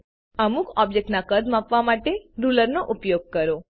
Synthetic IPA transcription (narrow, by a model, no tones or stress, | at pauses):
əmukɔbd͡ʒek̚ʈnakəɾd̪mapʋamaʈeɾuləɾnoʔupjoɡ̚kəɾo